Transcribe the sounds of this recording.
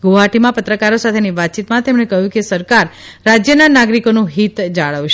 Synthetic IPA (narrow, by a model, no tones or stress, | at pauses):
ɡoɦaʈimãpət̪ɾəkaɾosat̪ʰeniʋat̪̚t͡ʃit̪mãt̪emɳekəɦjũkesəɾkaɾː | ad͡ʒjənanaɡɾikonũɦit̪d͡ʒaɭəʋʃ